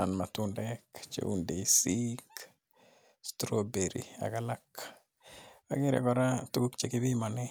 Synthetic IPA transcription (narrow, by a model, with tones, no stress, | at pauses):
a˨nmatundɛkt͡ʃḛunde˨sik | stɾobe˨ɾḭa̰ka˦la˦k | aɡɪ˦ɾɛ̰˨kɔ˦ɾa˦tu˦ku˦kt͡ʃeki˦bi˦ma˨nɛ˦